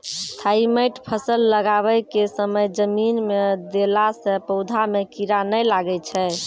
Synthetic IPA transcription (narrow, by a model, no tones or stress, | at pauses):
t̪ʰaiməjʈpʰəsəlːəɡaβəjkesəməjd͡ʒəminmed̪elasə̃pəʊd̪ʱamekiɾanəjlaɡɛt͡ʃʰɛ